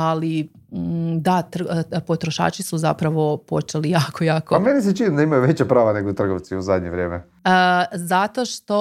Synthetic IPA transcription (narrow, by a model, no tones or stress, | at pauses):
ali | d̪at̪r̩po̞t̪ɾoʃa̰ːt͡ʃisuza̰pɾaʋo̞po̞̰t͡ʃelijaːkojaːkoamenis̬et͡ʃinid̪aimajuʋet͡ɕapɾaːʋaneɡot̪r̩ɡoʋt̪siuzad̪ɲḛʋɾʲjeːme | zat̪o̞ʃt̪o̞